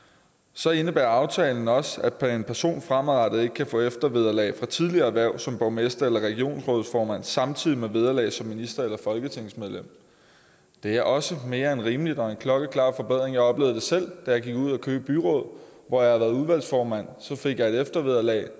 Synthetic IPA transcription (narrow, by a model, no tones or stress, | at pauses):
sɒ̽e̝nəb̥æːɐɑ̈ʊt͡sʰɛːln̩ɒ̽səæ̥pʰe̝npʰæɐso̝̰ːnfʁamʁɑd̥ð̩ˠe̝ɡ̥əkʰæfɔ̰̽ːefd̥ɐʋeð̞ˠɐlɛ̰ɪfʁɑ̈t͡sʰið̞ˠliɐːæʋæɐʊ̰sɒ̽mb̥ɒʊmesd̥ɐelɐʁɛɡ̥io̝̰ːnsʁɔ̽ːð̩ˠsfɒːmæn̰sɑ̈mt͡sʰið̞̰ˠimeʋe̝ð̞ˠɐlɛ̰ːsɒ̽mːinisd̥ɐelɐfɒ̽lɡ̥ət͡sʰe̝ŋ̰smeðˠlem̰ | d̥e̝æɐʔɒ̽səme̝ːɐenʁiːməlid̥ɒ̽e̝nkʰlɒ̽ɡ̥əkʰlɑ̰̈ːfɒ̽beð̞̰ˠʁeŋjɑ̈ɪɒ̽b̥le̝ːʊð̩ˠd̥e̝sel̰d̥æjɑ̈ɪɡ̥iɡ̥uð̞̰ˠækʰøːb̥əb̥yʁɔ̽ːð̞̰ˠ | ʋɒjɑ̈hɑʋæːɐðˠuðˠʋæl̰sfɒːmæn̰sɒ̽fe̝ɡ̥jɑ̈ɪe̝d̥efd̥ɐʋe̝ðˠɐlɛ̰ːɪ